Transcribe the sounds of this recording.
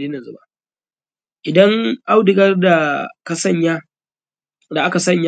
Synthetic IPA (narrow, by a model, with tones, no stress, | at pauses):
diː˦na˨zʊ˦ba˦ | ʔɪ˨dɐ˦ŋʔa˦wdɪ˨ɡɐ˦rda˨ka˨sɐ˦˨ɲjaː˦ | da˨ʔa˦ka˨sɐ˦˨ɲja˦